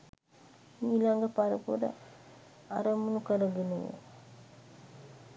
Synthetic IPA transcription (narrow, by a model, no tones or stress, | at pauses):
miːlaŋɡəpaɾəpuɾə̰ | aɾəmunukəɾəɡeneʋḛ